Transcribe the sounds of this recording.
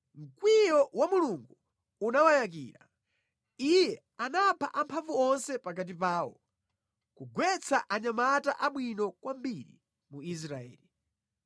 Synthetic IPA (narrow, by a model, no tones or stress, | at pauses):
ŋ̩kwijɔwamuluŋɡu | unawajak̬ḭːɾa | ijɛ | anapʰa̰ʔampʰavuɔnsɛpak̬at̬ipaːwɔ | kuɡwɛt͡sʰaʔaɲamata̰ʔaɓwinɔkwambiɾḭ | muis̬ɾaɛ̰ːli